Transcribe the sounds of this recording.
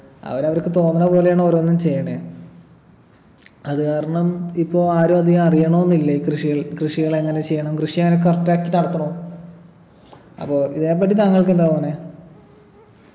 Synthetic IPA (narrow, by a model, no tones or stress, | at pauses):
ɐ̰ʋɐɾɐʋɐɾkːɨt̪o̞ːnːɐnɐpo̞ːlejaːɳoɾoːnːumt͡ɕe̞jːɐɳe | ɐðɨkaːɾɐɳɐmipːo̞ːaːɾoɐd̪ijɐɐrijɐɳoːenːilːɐikrɨʂiɣɐɭkrɨʂiɣɐɭe̞ŋːɐnet͡ɕe̞jːɐɳɐmkrɨʂijeŋːɐnek̬ɐrtːaːkːit̪ɐɽɐt̪ːuɳo | ɐ̰pːo̞ːiðe̞ːp̬ːɐʈːit̪aːŋːɐɭkend̪aːoːne